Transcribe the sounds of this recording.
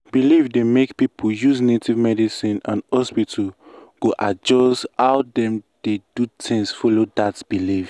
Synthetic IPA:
b̥ilivdemekpipʰujuznetivmɛdisĩnã̰nhɔspitʰaɡ̥oʔad͡ʒɔsthaʊdɛ̃md̥ed̥utʰĩŋsfɔlodatb̥iliv

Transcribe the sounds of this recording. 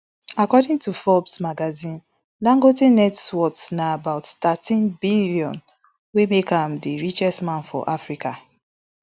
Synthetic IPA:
akɔdĩŋtufɔbsmaɡazĩn | lãŋɡotinɛtswɔksnaabaʊttatĩnbiliɔ̃n | wemekãmdiɹit͡ʃɛstmãnfɔ̰ʔafɹika

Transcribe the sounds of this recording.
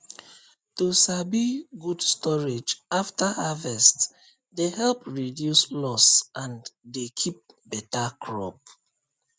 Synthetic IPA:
tusabiɡudstɔɹed͡ʒaftahavɛst | dehɛlpɹidjuslɔsʔãndekʰip̚ | bɛtakʰɹɔ̰p̚

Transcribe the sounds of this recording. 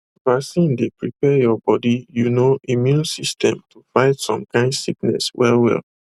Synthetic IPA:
vasĩndepɹipɛjɔbɔdijunoimjũnsistʰɛ̃mtʰufaɪtsɔ̰̃mkʰãɪ̃ndsiknɛ̰swɛlwɛ̰l

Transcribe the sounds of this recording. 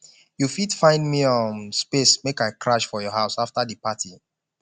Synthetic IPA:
jufidfãɪ̃ndmiɔ̃mspesmekaɪkɹaʃfɔjɔɦaʊsaftadəpatʰi

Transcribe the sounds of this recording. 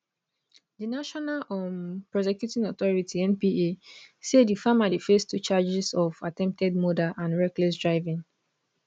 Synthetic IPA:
dinaʃɔnalʔɔ̃npɹɔsɛkjutĩnɔt̪ɔɹitʰiɛ̃npieseddifamadifestʰut͡ʃad͡ʒisɔvatɛ̃mp̚tʰɛd̚mɔdaʔãnɹɛklɛs̬dɹaɪvĩŋ

